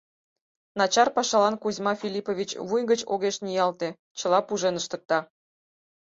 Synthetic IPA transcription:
nɑt͡ɕɑrpɑʃɑlɑnkuzʲmɑfʲilʲipovʲit͡ɕβujɣət͡ɕoɣeʃnʲijɑlt̪e | t͡ɕəlɑpuʒenəʃt̪ə̆k̚t̪ɑ

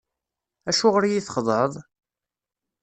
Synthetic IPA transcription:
æʃuʁəɾjiθəχðˤəðˤ

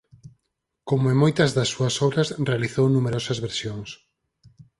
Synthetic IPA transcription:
komʊẽmojt̪ɐzðɐsːuɐsɔβɾɐsrealiθownumeɾɔsɐzβeɾsjoŋs

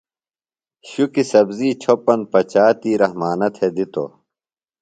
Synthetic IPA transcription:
ɕukisɐbziːt͡ɕʰopɐn̚pɐt͡ɕaːt̪iːɾɐhmaːnɐt̪ʰed̪it̪o̰

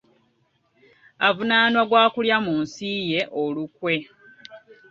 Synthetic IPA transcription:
avunaːnwaɡwaːkuljamuːnsije̞ʔolukwe̞

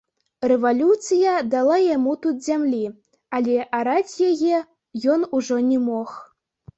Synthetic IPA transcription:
rɛvalʲut̪sɨjɐd̪alˠajamut̪ut̪zʲamlʲi | alʲɛʔaɾat͡sʲjajɛ | jɔnuʐɔnʲɛmɔx

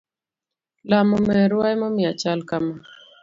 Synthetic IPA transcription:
lamɔmɛɾwajmɔmɪat͡ʃalkama

